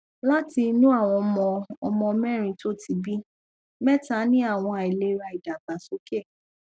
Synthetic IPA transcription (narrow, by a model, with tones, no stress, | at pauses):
la˦ti˧nũ˦a˦˨w̃ɔ̃˧mɔ̃˧ɔ˧mɔ̃˧mɛ̃˦˨ɾ̃ĩ˧to˦ti˧bi˦ | mɛ˦ta˨˦nĩ˦a˦˨w̃ɔ̃˧a˨i˨le˧˦ɾa˨i˨da˨ɡ͡ba˨so˨˦ke˦˨